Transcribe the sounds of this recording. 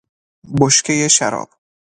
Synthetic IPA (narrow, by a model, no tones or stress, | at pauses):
boʃkʰʲejeʃæɾɒ̰ːb̥̚